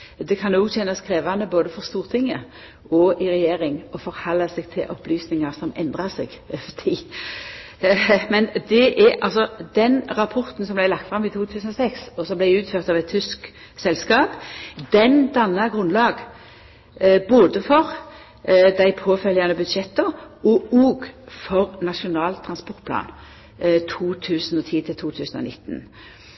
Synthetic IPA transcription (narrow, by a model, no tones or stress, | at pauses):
d̪ɛkʰɑnoːɡt̪ʰɛnːɑskʰɾeːʋɑnəboːd̪əfɔʁst̪uːʁt̪ʰɪŋːə | ɔʔɪɾɛjeːʁɪŋɔfɔʁhɑlːɑsɛɡ̚t̪ʰɪlʔɔplyːsnɪŋɑʁsɔmɛ̰nd̪ʁɑsɛɡft̪ʰiː | mɛnd̪ɛʔɛɑ̰lsɔd̪ɛnʁɑpʰɔʁt̪n̩sɔmblæɪlɑkt̪fʁɑmit̪ʰuːt̪ʰʉːsənɔsɛksɔsɔmblæɪʉːt̪føːʁt̪ɑʋɛt̪ʰːʏsk | sɛlskɑːpd̪ɛnd̪ɑnːɑɡʁʉnlɑːɡ | boːd̪əfɔʁ | d̪æɪpʰoːfœljɑnəbʉd̪ʂɛt̪ːəɔɔːɡfɔʁnɑʂʊnɑːlt̪ʰɾɑnspɔʁt̪̚pʰlɑ̰ːn | t̪ʰuːt̪ʰʉːsnɔt̪ʰiːt̪ʰɪlt̪ʰuːt̪ʰʉːsənɔ̰nɪ̰t̪ːn̩